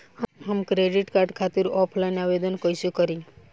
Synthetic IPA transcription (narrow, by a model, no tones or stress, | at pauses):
ɦəmkɾeɖiʈkaɾɖkʰat̪iɾɔpʰlainaʋed̪ənkəjʃũkəɾi